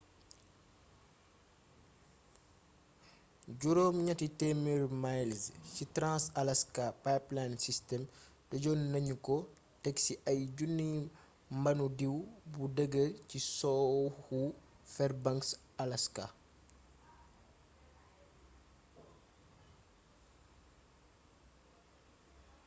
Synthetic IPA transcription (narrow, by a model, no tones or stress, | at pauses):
ɟuɾoːmɲɐtitɛmiɾmajlscitɾãnsɐlɐskapajplansistɛm | dɐɟɔnnɐɲukɔ | tɛksiʔɐjɟunːi | mbɐnudiwbudəɡːəcisɔːhu | fɛrbɐŋks | ɐlɐska̰